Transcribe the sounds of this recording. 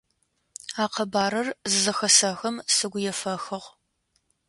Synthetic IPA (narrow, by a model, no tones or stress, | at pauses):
aːqɐbaːɾɐrzɨzɐxɐsɐxɐmsɨɡʷʊjɛfɐxɐʁʷ